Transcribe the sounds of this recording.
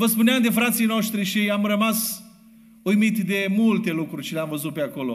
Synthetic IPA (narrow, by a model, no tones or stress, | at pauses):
vəspuneamd̪efɾat̪sijnoʃt̪ɾiʃiamrəmas | ujmit̪d̪e̞mult̪e̞lukɾuɾʲt͡ʃeleamvəzut̪̚peako̞lo̞